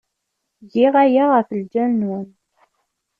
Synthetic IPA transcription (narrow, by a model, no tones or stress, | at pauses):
diʁæjaʁəfəld͡ʒænwən